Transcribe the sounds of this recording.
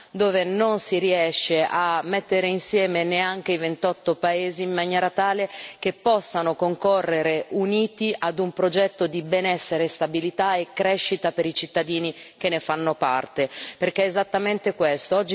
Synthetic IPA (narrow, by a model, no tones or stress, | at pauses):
d̪oːvenonsiɾiɛʃːeʔamːet̪ːeɾeinsjɛːmeneaŋk̟eivent̪ɔt̪ːopaeːziːmːanjɛːɾat̪aːlek̟epːɔsːanokoŋkorːeɾeʔuniːt̪iʔad̪umpɾod͡ʒɛt̪ːod̪ibɛnɛsːeɾest̪abilit̪aekːɾɛʃːit̪apeɾit͡ʃit̪ːad̪iːnik̟enːefanːopa̰rt̪eperk̟eɛezat̪ːament̪ekwest̪oɔd͡ʒː